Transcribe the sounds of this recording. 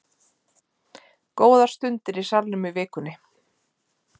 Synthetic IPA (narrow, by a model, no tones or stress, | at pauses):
koːwðḁst̪ʏnt̪ɪɾisaɾnʏmʏvɪːkʏnːɪ